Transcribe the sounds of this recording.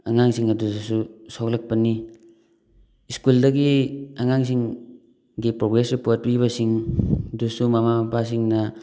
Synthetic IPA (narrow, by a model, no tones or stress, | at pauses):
aŋaŋsiŋɐdudsusawlɐk̚pɐni | iskuldɐɡiaŋaŋs̬iŋ | ɡipɾoɡɾesɾipot̚pɾiβɐsiŋdusumamaapas̬iŋnɐ